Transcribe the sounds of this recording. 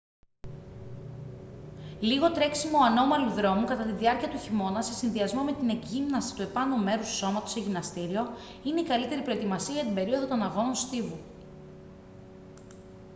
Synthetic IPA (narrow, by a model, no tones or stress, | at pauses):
liɣo̞t̪ɾe̞ksimo̞ɐno̞mɐluðɾo̞mukɐt̪ɐt̪inðiɐɾciɐt̪uçimo̞nɐse̞sinðiɐzmo̞me̞t̪ine̞ɡʝimnɐsi̥t̪ue̞pɐnome̞ɾusu̥so̞mɐt̪o̞seʝinɐst̪iɾio̞ | ine̞ikɐlit̪e̞ɾipɾo̞e̞t̪imɐsiɐʝɐt̪imbe̞ɾio̞ðo̞t̪o̞nɐɣo̞no̞nst̪ivu